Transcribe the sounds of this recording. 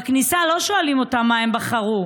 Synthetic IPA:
aknisalo̞ʃoalimo̞tamːaembaχaʁu

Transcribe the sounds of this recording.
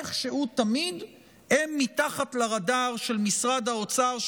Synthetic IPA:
χʃeut̪amid̪ | emːit̪aχat̪laʁadaʁʃe̞lmisʁad̪haot͡saʁʃ

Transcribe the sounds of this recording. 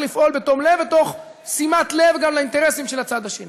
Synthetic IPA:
lifʔo̞lbet̪omlevbet̪o̞χ | simat̪le̞vɡamlaint̪eʁesimʃe̞lat͡sad̪aʃeni

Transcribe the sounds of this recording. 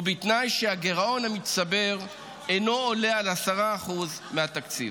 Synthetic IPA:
ubit̪najʃeaɡe̞ʁao̞nhamit̪sabe̞ʁ | eno̞ːle̞alasaʁaːχuzmeat̪akt͡sḭv

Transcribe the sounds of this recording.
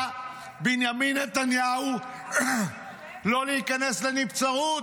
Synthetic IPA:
binjaminːet̪anjahu | lo̞leikaneslenipt͡saut

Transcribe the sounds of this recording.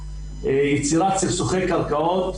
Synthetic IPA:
ejet͡siʁat̪t͡sifsoχejkalkaot̪

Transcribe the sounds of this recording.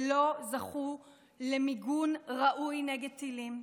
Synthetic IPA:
lo̞zaχu | lemiɡunʁaʔujneɡed̪̚t͡silim

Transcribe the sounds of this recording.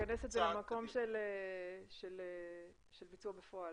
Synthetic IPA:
anesetzelemako̞mʃeleʃele | ʃelbit͡suɐbefo̞al

